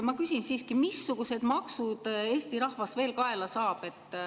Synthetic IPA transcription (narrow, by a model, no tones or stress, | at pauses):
mɑkysʲinsiːskimisːuɡ̥use̞d̪̥mɑksud̪̥e̞ːst̪iɾɑhvɑsve̞ːlkɑe̞lɑsɑːb̥e̞t̪ːˑ